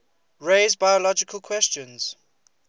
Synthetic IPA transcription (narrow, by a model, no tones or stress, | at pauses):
ɹeɪzbajɔlɔd͡ʒɪkʰəlˠkʰwɛst͡ʃə̃nz̥